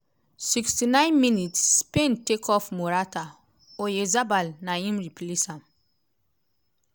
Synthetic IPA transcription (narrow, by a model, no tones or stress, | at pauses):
sikstinãj̃nminitsːpẽntekʰɔfmoɾata | ojezabalnajĩmɹiplisãm